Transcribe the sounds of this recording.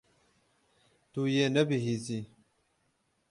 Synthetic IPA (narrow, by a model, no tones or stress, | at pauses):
t̪ujeːnɐbiɦiːziː